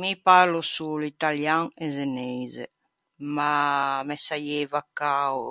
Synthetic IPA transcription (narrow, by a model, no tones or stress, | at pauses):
mipaɾlosulit̪aljaŋɛzenɛzḛ | mamɛsajɛvakːa